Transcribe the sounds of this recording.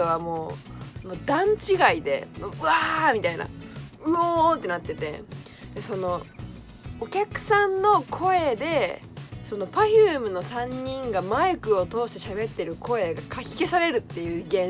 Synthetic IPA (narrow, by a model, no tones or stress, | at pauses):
oβamo̞ːmoːd̪ãɲ̟t͡ɕiɡaid̪e̞̰moɯ̟amʲit̪aina̰ɯ̟ot̪ːe̞nat̪ːe̞t̪e̞ | d̪̥e̞so̞no̞ | okʲakɯ̟̥sãnːo̞kʰo̞e̞d̪e̞ | so̞no̞paçɯːmɯ̟no̞sãɲ̟ːĩŋɡamaɯkɯ̟o̞t̪o̞ːɕi̥t̪e̞ɕabe̞t̪ːe̞ɾɯ̟kʰo̞e̞ɡakʰakʲi̥ke̞saɾe̞ɾɯ̟t̪ːe̞jɯ̟ːɡẽ̞